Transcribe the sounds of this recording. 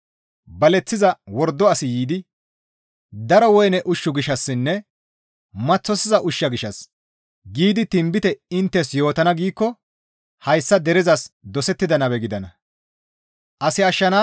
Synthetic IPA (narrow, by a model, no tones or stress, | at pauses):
bɐlɛt͡sːɪzɐwɔɾd̪ːɔɐsɪjiːd̪ɪ | d̪ɐɾɔwɔjnɛʔʊʃːʊɡɪʃɐsːɪnːɛ | mɐt͡sːɔsɪzɐʔʊʃːɐɡɪʃɐs | ɡiːd̪ɪt̪ɪmbɪt̪ɛɪnt̪ːɛsjo̞ːt̪ɐnɐɡiːkːɔ | hɐjsːɐd̪ɛɾɪzɐsd̪ɔsɛt̪ːɪd̪ɐnɐbɛɡɪd̪ɐnɐ | ʔɐsɪɐʃːɐna